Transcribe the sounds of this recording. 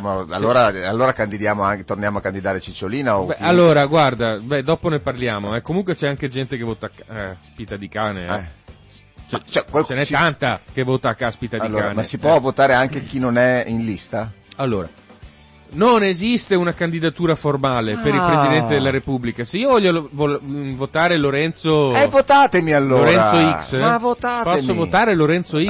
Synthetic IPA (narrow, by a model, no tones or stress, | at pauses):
amaa̰lːoːɾaalːoːɾakand̪id̪jaːmoaŋt̪ornjaːmoakːand̪id̪aːɾet͡ʃit͡ʃːoliːnaoɛallːoːɾaɡward̪abɛd̪ɔːponeparljaːmoɛkːomuŋkwet͡ʃɛaŋk̟ed͡ʒɛnt̪ekevɔːt̪akaspit̪ad̪ikaːneɛɛ | t͡ʃɛt͡ʃɛket͡ʃenɛtt̪ːant̪akevːoːt̪akːaspit̪ad̪iaːnasipwɔvot̪aːɾeaŋkek̟inonɛinlist̪aalːo̰ːɾa̰ | nonezist̪eunakand̪id̪at̪uːɾaformaːlepeɾilpɾezid̪ɛnt̪ed̪elːaɾepublikaseiːovɔʎːovovot̪aːɾeloɾɛnt̪soɛvot̪aːt̪emialːolːoɾɛnɾaoiksavot̪aːtpɔsːovoaːɾeloɾɛnt̪soi